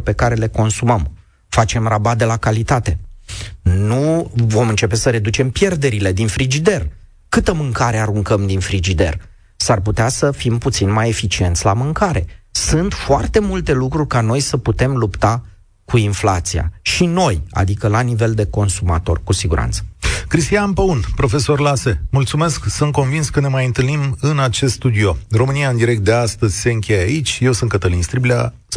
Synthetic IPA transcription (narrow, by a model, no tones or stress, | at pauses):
pe̞kaɾe̞le̞ko̞nsuməm | fat͡ʃe̞mrabad̪elakalit̪at̪e̞ | nuvo̞mɨnt͡ʃe̞pe̞səɾe̞d̪ut͡ʃe̞mpje̞rd̪e̞ɾile̞d̪infɾid͡ʒid̪e̞r | kɨt̪əmɨŋkaɾeaɾuŋkəmd̪infɾid͡ʒid̪e̞̰r | sarput̪easəfimput̪sinmaje̞fit͡ʃie̞nt̪sʲlamɨŋkaɾe̞̰sunt̪foart̪e̞mult̪e̞lukɾurʲkano̞jsəput̪e̞mlupt̪a | kuinfla̰t̪sia̰ʃino̞ja̰d̪ikəlanive̞ld̪e̞ko̞nsuma̰t̪o̞̰rkusiɡuɾa̰nt̪sə̥kɾist̪ianpəunpɾo̞fe̞so̞rlase̞mult̪sume̞sksunt̪̚ko̞nvinskəne̞majɨnt̪ɨlnimɨnat͡ʃe̞st̪st̪ud̪io̞ro̞mɨnijaɨnd̪iɾek̚t̪̚d̪e̞ast̪əzʲse̞ɨŋkʲe̞jait͡ʃʲje̞wsunkət̪əlinst̪ɾiblʲa